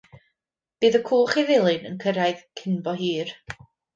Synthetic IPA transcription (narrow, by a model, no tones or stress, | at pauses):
b̥iːðəkʰuːlˠχiðɪlˠɪnənkʰəɾajðkʰɪnbɔɦiːr